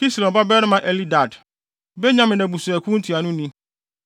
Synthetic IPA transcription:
ki˦slɔ̃˨ba˦bɛː˦ɾɪ˦mã˨ʔɛ˦li˦da˨d | bɛ˦ɲã˦mɪ̃˨nɛ̃˨bu˨sʊ˨ɛ˨kʰũ˦n̩˦tʰi˨a˨nʊ̃˦nĩ˦

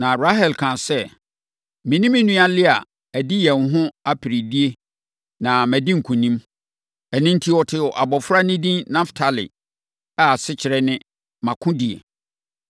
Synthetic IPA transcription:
nã˨ɾa˦ɦɛ˨lkʰã˨sɛ˦ | mĩ˨nĩ˦mĩ˦nũ˦a˦lɪ˦a˨ | æ˨dɪ˦jɛ̃˨nɦʊ̃˦a˦pʰɪ˨ɾi˨di˦e˦ | nã˨mæ̃˨dĩ˦ŋ̩˨kʰũ˨nĩ˦m | ɛ˨nĩ˦n̩˦tʰi˦wɔ˨tʰɪ˦wɔ˨ʔa˨bɔ˨fɾa˦nɪ̃˦dĩ˦nnã˦ftʰa˨lɪ̰˨ | a˨sɪ˦t͡ɕʰɪ˨ɾɛ˦nɪ̃˦ | mã˨kʰʊ̃˦di˨ḛ˨

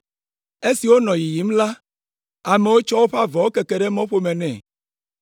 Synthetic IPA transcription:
e˦si˨wo˦nɔ̃˨ji˨ji˨˦m̩˦la˦ | a˨me˨wo˦t͡ʃɔ˦wo˦ɸa˦vɔ˨wo˦ke˨ke˨ɖɛ˦mɔ̃˦ɸo˦mɛ˨nɛ̃˨

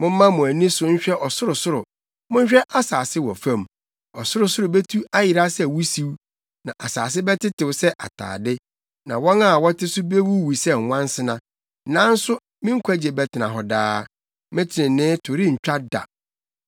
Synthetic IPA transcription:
mʊ̃˦m̩˦mã˦mʊ̃˨æ˨nĩ˦sʊ˦ɲ̩˦ɕᶣɛ˦ʔɔ˨sʊ˦ɾʊ˨sʊ˦ɾʊ˨ | mʊ̃˦ɲ˦ɕᶣɛ˦ʔa˦saː˨sɪ˦wɔ˨fã˦˨m | ɔ˨sʊ˦ɾʊ˨sʊ˦ɾʊ˨be˦tʰu˦a˦jɪ˨ɾa˦sɛ˦wu˦si˦w | nã˨ʔa˨sa̰ː˨s̬ɪ˦bɛ˦tɪ˦tɪ˨wsɛ˦ʔa̰˨tʰa̰ː˨dɪ˦ | nã˨wɔ̃˦na˦˨wɔ˦tɪ˦sʊ˦be˦wu˦wi˨sɛ˦ŋ̩˨wʷã˦n˦sɪ˦nã˨ | nãː˦n̩˦sʊ˦ | mɪ̃˦ŋ̩˦kʷʰæ˦d͡ʑɛ˨bɛ˨tʰɪ˨nã˨ɦɔ˨daː˦ | mɪ̃˦tʰɪ˨ɾɪ̃˨nːɪ̃ː˦tʰʊ˨ɾi˦ɲ̩˨t͡ɕᶣa˦da̰˨

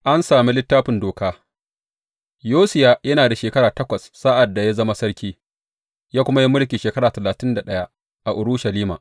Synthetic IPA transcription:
ʔa˦nsaː˨mi˦lɪ˦tːaː˦ɸɪ˨ndoː˨kaː˦ | joː˦sɪ˨ja˦jɐ˦naː˨da˨ʃeː˨kɐ˦ɽaː˨tɐ˦kʷɐ˨sːaː˦ʔa˨dːa˨ja˦zɐ˦ma˦sɐ˦ɽkʲiː˦ | jaː˦kʷʊ˦ma˦ji˦mʊ˦ɽkʲiː˨ʃeː˨kɐ˦ɽaː˨tɐ˨laː˨tɪ˦nda˨ɗɐ˦ja˦ | ʔa˨ʔʊ˨ɽʊ˦ʃɐ˨liː˦ma̰ː˨

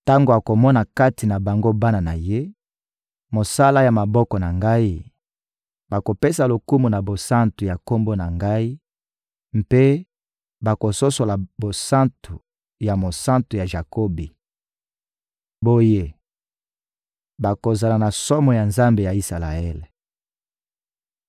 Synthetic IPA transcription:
ta˦ŋɡo˨a˨ko˨mɔ˦na˨ka˦ti˨na˨ba˨ŋɡo˦ba˦na˨na˨je˦ | mo˨sa˦la˦ja˨ma˨bɔ˦kɔ˨na˨ŋɡa˦i˦ | ba˨ko˨pe˦sa˨lo˨ku˦mu˨na˨bo˨sã˦ntu˨ja˨ko˦mbo˦na˨ŋɡa˦i˦ | mpe˦ | ba˨ko˨so˦so˨la˨bo˨sã˦ntʰu˨ | ja˨mo˨sã˦ntu˨ja˨ʒa˨ko˦bi˨ | bo˦je˨ | ba˨ko˨za˨la˨na˨sɔ˦mɔ˨ja˨nza˦mbe˨ja˨i˦sa˨la˨ɛ˦l

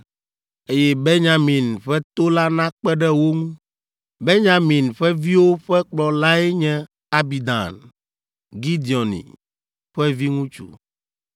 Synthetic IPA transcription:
e˦jɛ˦be˦ɲã˨mĩ˨nɸɛ˦t̪o˦la˦nã˦k͡pɛ˦ɖɛ˦wo˦ŋũ˦ | be˦ɲã˨mĩ˨nɸɛ˦vi˦wo˦ɸɛ˦k͡plɔ˨la˦ɛ˦ɲɛ̃˦ | a˨bi˨d̪ã̰˨n | ɡi˦d̪i˨ɔ˨nḭ̃˨ | ɸɛ˦vi˦ŋũ˦t͡ʃṵ˨

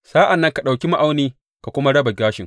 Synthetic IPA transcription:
saː˦ʔa˨nːɐ˦ŋka˨ɗa˨wkʲi˦ma˦ʔa˦wniː˦ | ka˨kʷʊ˦ma˦ɽɐ˦ba˨ɡʲaː˦ʃɪ˨ŋ

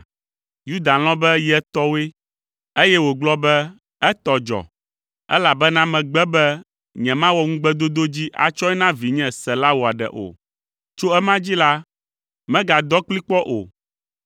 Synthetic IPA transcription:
ju˦d̪a˨l̃ɔ̃˦bɛ˦jɛ˦t̪ɔ˦we˦ | e˦jɛ˦wo˨ɡ͡blɔ˦bɛ˦ | ɛ˦t̪ɔ˨d͡ʒɔ̰˨ | ɛ̰˦la˨bɛ˦nã˦mɛ̃˨ɡ͡bɛ˦bɛ˦ | ɲɛ̃˨mã˦wɔ˦ŋũ˦ɡ͡bɛ˦d̪o˦d̪o˦d͡ʑi˦ʔa̰˨t͡ʃɔ˦ɛ˦nã˦vi˨ɲɛ̃˦sɛ˨la˦wo˨a˨ɖɛ̰˨ʔo̰˨ | t͡ʃo˦ɛ˦mã˦d͡ʑi˦la˦ | mɛ̃˦ɡa˨d̪ɔ˦k͡pli˦k͡pɔ˦ʔo̰˨

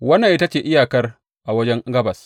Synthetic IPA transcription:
wɐ˦nːɐ˨ʔɪ˦ta˦t͡ʃeː˨ʔɪ˦jaː˨kɐ˦r | ʔa˨wɐ˦d͡ʒɛ˦ŋɡɐ˦bɐ˨s

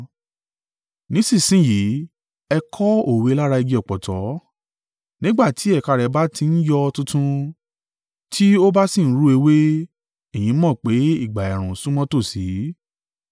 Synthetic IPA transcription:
nĩ˨˦sĩ˦˨sĩ˦ji˨˦ | ɛ˧kʰɔ˦o˦˨we˨˧˦la˦ɾa˧i˧ɡi˧ɔ˨k͡pɔ˨tɔ˨˦ | nĩ˦ɡ͡ba˦˨ti˨˦ɛ˦˨ka˧ɾɛ˧ba˦ti˧n̩˦jɔ˧tũ˦tũ˦ | tʰi˦o˦ba˦sĩ˦˨n̩˦ɾu˦e˧we˦ | e˦˨jĩ˨˦mɔ̃˦˨k͡pe˨˦i˦˨ɡ͡ba˨ɛ˨ɾ̃ũ˨sũ˦mɔ̃˦to˦˨si˨˦

